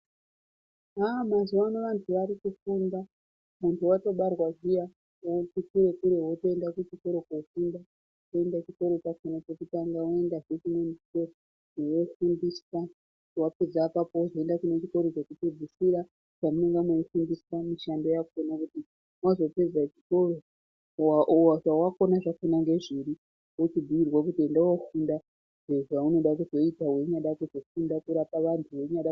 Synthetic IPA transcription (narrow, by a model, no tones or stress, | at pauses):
amazuwanoʋantʰuʋaɾikufunda | muntʰuwato̞ɓarwaʒija | otikuɾe̞kuɾe̞wotoendakut͡ʃiko̞ɾokaufunda | toe̞ndat͡ʃikoɾokakanat͡ʃokutaŋɡaoe̞ndaʐet͡ʃimwenike | mewofundisa | waped͡zapapozoendakunet͡ʃiko̞ɾot͡ʃokutid͡zisiɾa | pamuneŋɡameifundisamiʃando̞jakuonakuti | wazo̞pe̞d͡zat͡ʃiko̞ro̞ | waaʐawako̞naʐafunaŋɡe̞ʐiɾi | wot͡ʃibʱiirwak̬utiendawofunda | ʐeʐauno̞ɗakuzo̞itawe̞ɲaɗakuzo̞fundakuɾapaʋantʰuʋe̞ɲaɗa